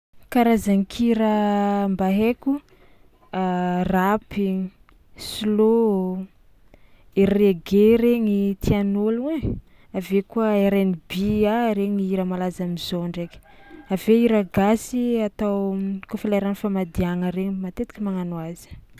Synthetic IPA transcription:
kaɾazaŋikʰiɾəmbaɦeku | rapi | silo | eɾeɡeɾeɲit̪ʰianole | avekuəeɾenibiaɾeɲiiɾəmalazamizoɳɖ͡ʐekʲ | aveiɾaɡasiat̪awkofilaɾanifamad̪iaŋəɾeɲimat̪et̪i̥kʲimaŋanuazi̥

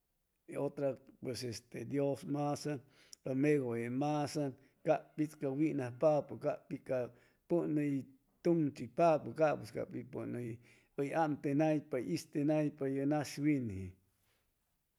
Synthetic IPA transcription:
eot̪ɾapwesest̪ed̪josmasa | lomeɣoemasan | kaʔpit͡skawinahpapokaʔpika | puʔnəj | t̪uŋt͡ʃipapukaʔpeska̰pipunəj | əjaʔmt̪enajpajist̪enajpajənaʃwinhi

